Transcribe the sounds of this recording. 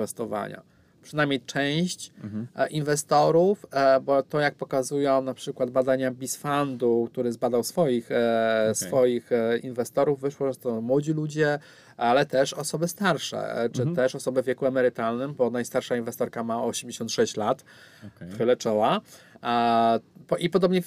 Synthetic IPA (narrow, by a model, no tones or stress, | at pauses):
vɛst̪ɔva̰ɲa̰ | pʂɘnajmʲɲejt͡ʂɛw̃ɕt͡ɕʔinvɛst̪ɔɾufbɔt̪ɔjak̚pɔkazujɔ̃w̃napʂɘkwad̪̚bad̪aɲabʲisfand̪uk̚t̪uɾɘzbad̪awsfɔjixsfɔjixinvɛst̪ɔɾuvːɘʂwɔʐɛt̪ɔmwɔd͡ʑilud͡ʑɛ | alɛt̪ɛʂɔsɔbɘst̪aɾʂɛ̰t͡ʂɘt̪ɛʂɔsɔbɘvʲjɛkuɛmɛɾɘt̪alnɘmbɔnajst̪aɾʂainvɛst̪ɔɾkamaɔɕemd͡ʑeɕɔnt̪ʂɛɕt͡ɕlat̪ | xxɘlɛt͡ʂɔwa | pɔʔipɔd̪ɔbɲɛ